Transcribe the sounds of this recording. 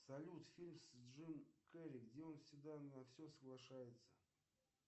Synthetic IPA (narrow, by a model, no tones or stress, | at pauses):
sɐlʲut̪fʲilʲmsdʐɨmkɛɾʲɪɡdʲeo̞nfsʲɪɡd̪anɐfsʲosəɡlˠɐʂajɪt̪sə̥